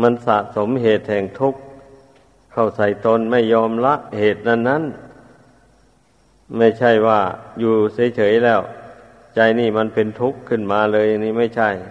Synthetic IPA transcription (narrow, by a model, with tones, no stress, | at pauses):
ma˧˥˨nsa˧˨ʔso˨˦mɦeː˨˩t̪̚hɛː˨˩ŋt̪ʰu˧˥˩k̚ | kʰa˧˩wsa˧˩jt̪o˧˥˨nma˧˥˩jːɔː˧mla˧˥ʔheː˨˩t̪̚na˧˩˨nːa˧˥˨n | ma˧˥˩jt͡ɕʰa˥˩jwaː˧˩juː˧sa˨˦jt͡ɕʰɤː˨˦jlɛː˧˥˩w | t͡ɕa˧jniː˧˩ma˧˥˨npe˧nt̪ʰu˦˥kʰːɯ˧˥˩nmaː˨˧lɤː˧ja˧ŋniː˧˥˩ma˥˩jt͡ɕʰa˧˥˩j